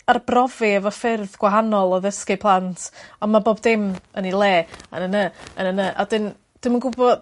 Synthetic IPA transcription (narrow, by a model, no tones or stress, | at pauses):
arbrɔviəvɔfɪrðɡ̥waɦanɔlˠɔðəskɨpʰlˠantʰɔnmaboːbdɪmənilˠeːa̰nənəənənəʔa̰dɪn | d̥ɪmənɡʊbɔd